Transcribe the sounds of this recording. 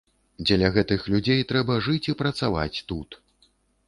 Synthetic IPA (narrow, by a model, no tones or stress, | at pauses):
d͡zʲɛlʲɐɣɛt̪ɨxlʲud͡zʲejt̪ɾɛbɐʐɨt͡sʲipɾɐt̪sava̰t͡sʲt̪ut̪